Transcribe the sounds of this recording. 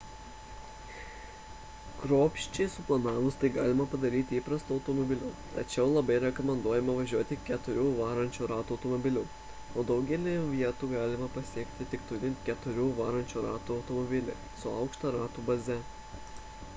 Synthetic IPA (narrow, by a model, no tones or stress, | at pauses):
kɾoːpʲʃʲt͡ʃʲɛɪsʊplˠɐnɑːʋʊst̪ɐɪɡɑːlʲɪmɐpɐd̪ɐɾʲiːt̪ʲɪiːpɾɐst̪uɐʊt̪ɔmɔbʲɪlʲʊːt̪ɐt͡ʃʲɛʊlˠɐbɐɪɾʲɛkɔmʲɛnd̪uɔjɛmɐʋɐʒʲuɔt̪ʲɪkʲɛt̪ʊɾʲuːʋɑːɾɐnʲt͡ʃʲuːɾɑːt̪uɐʊt̪ɔmɔbʲɪlʲuː | oːd̪ɐʊɡʲɛlʲɪʋʲiɛt̪uɡɑːlʲɪmɐpɐsʲiɛkt̪ʲɪt̪ʲɪkt̪ʊlʲɪkʲɛt̪ʊɾʲuːʋɑːɾɐnʲt͡ʃʲuːɾɑːt̪uɐʊt̪ɔmɔbʲɪlʲɛ̰ | sʊɐ̰ˑʊkʃt̪ɐɾɑːt̪uːbɐzʲɛ